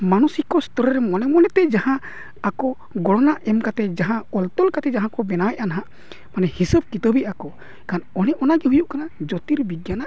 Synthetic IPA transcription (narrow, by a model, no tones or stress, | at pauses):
manusikɔst̪ɔɾɾɛmɔnɛmɔnɛt̪ɛd͡ʒahã | akɔ | ɡɔɽɔnaʔɛmkat̪ɛd͡ʒaɦãɔlt̪ɔlkat̪ɛd͡ʒaɦãkɔbɛnawɛʔʔanɦaʔ | manɛhisəb̚kit̪əbiakɔ | kanɔnɛʔɔnaɡɛɦujuʔkanad͡ʒɔt̪iɾbiɡjanaʔ